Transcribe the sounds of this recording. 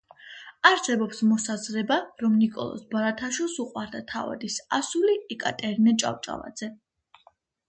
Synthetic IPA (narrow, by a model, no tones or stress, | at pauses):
aɾsɛbɔpsmɔsazɾɛbaɾɔmnikʼɔ̰lˠɔ̰sbaɾat̪ʰaʃwilˠsuqʼwaɾd̪at̪ʰava̰d̪isasuliɛkʼat̪ʼɛɾinɛt͡ʃʼa̰wt͡ʃʼa̰va̰d̪z̥ɛ